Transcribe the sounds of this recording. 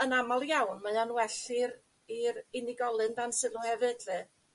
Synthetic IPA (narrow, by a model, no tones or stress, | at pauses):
ənamalˠjawnmajanwɛɬɪɾ | iɾɪnɪɡɔlˠɨndansɨlˠuhɛvɨdvɨ